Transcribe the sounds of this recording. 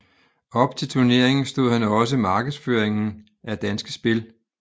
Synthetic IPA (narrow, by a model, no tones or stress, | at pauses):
ɒ̽b̥t͡sʰe̝lt͡sʰuɐne̝ɐ̰eŋn̩sd̥o̝ð̰ˠhænɒ̽s̬əimɑ̈ːɡ̥ð̩ˠsføɐeŋn̩ | ʔæd̥ænsɡ̥əsb̥e̝l